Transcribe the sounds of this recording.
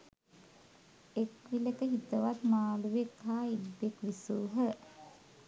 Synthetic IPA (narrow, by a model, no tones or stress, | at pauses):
ekʋiləkəɦit̪əʋat̪maːluʋekhaːidbekʋisuːɦə